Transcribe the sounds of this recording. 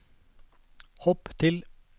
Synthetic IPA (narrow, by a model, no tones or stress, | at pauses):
hɔːpt̪ʰɪl